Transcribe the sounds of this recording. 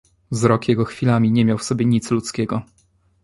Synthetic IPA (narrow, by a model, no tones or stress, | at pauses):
vzɾɔkjɛɡɔxfʲilamʲiɲɛmʲjawfsɔbʲjeɲit̪slut̪skʲɛɡɔ